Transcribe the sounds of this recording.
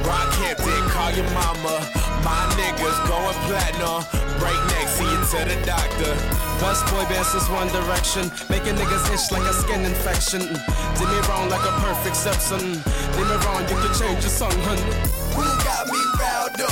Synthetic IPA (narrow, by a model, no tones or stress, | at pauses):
ɹakʰɛp̚ɪkʰɔlˠjəmɑmə | maɪnɛɡwʌzɡoʊə̃npʰlænə | bɹeɪk̚nɛɡsiɨ̃nsɛɾɨdak̚ðəbɛsb̥ɔɪbæ̃nsɨzwʌ̃ndə˞ɛkʃɨ̃n | meɪkɨnɛɡɨzɪt͡ʃlaɪkəskɪ̃nɨ̃ɱfɛkʃɨ̃n | dɪmiɹɔ̃ʊ̃nlaɪkəpʰɜ˞fɪk̚tsɛpsə̃n | d̥ɪmiɹɔ̃ʊ̃njɨkɨd̚t͡ʃʰẽɪ̃nd͡ʒəsʌ̃ŋɦʌ̃n | wiɡɑt̚miɹaʊd